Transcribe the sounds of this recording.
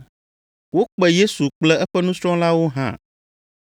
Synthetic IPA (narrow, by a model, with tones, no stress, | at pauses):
wo˦k͡pɛ˨je˦su˨k͡plɛ˦ɛ˦ɸɛ˦nũ˦sɾɔ̃˦la˦wo˦ɦã̰˦˨